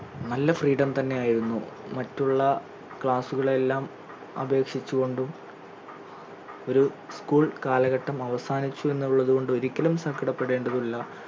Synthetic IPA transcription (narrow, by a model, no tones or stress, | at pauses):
nɐlːɐfriːɽɐmt̪ɐnːe̞aːjiɾunːṵmɐtːuɭːɐ | kɭaːsuɣɐɭe̞lːaːm | ɐ̰bʱe̞ːkʂit͡ɕːuɣo̞ɳɖum | o̞ɾu | skuːɭkaːlɐɣɐʈːɐmɐʋɐsaːnit͡ɕːue̞nːuɭːɐðuɣko̞ɳɖɨo̞ɾikʲːɐlumsɐkːɐɽɐpːe̞ɽe̞ːɳɖɐðulːɐ